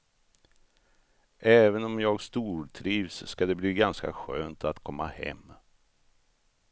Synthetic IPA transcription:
ʔɛːvənɔmjɑːɡst̪uːɾʈʰɾiːvsːkad̪ɛbliːɡanska̰ɧø̰ːnt̪at̪kʰɔmːahɛ̰mː

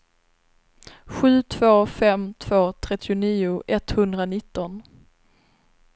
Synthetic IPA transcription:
ɧʉ̟ːt̪ʰv̥oːfɛmt̪ʰv̥oːt̪ʰɾɛt̪ʰːɪʊniːʊʔɛt̪hɵnd̪ɾanɪt̪ːɔn

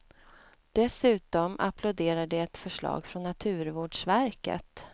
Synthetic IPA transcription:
d̪̥ɛsʉ̟ːt̪ɔmʔa̰pʰlʊd̪eːɾaɖ̪ɛɛt̪fœʂɭɑ̰ːɡfɾɔnːat̪ʰʉ̟ːɾvoːɖʂvæɾkə̰t̪

